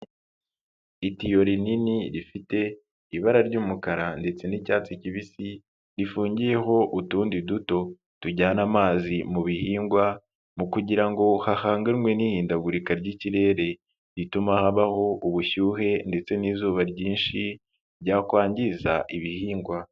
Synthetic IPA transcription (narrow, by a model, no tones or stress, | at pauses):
itijo̞ɾininiɾifite̞ | iβaɾaɾɟuːmukaɾande̞t͡se̞nicaːt͡siciβisi | ɾifuːɲɟije̞ɦo̞ʔutuːndiduto̞ | tuɟaːnamaːzimuβihiːŋɡwa | mukuɟiɾaŋɡo̞hahaːŋɡaɾŋwenihiːndaɡuɾikaɾɟiciɾe̞ːɾe̞ | ɾitumahaβaho̞ʔuβuçuːɦe̞nde̞t͡se̞niːzuːβaɾɟiːnʃi | ɾɟaːkwaːɲɟizaʔiβihiːŋɡwa